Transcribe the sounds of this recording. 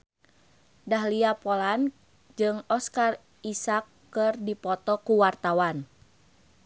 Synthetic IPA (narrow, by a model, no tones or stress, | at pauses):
daɦliapɔlan | d͡ʒɨŋɔskar | isakːɨrdipɔt̪ɔkuwart̪awan